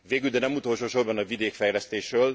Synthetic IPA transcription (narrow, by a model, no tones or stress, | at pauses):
veːɡyld̪ɛnɛmut̪o̞lʃoːʃo̞rbɒnɒvid̪eːkfɛjlɛst̪eːʃrøːl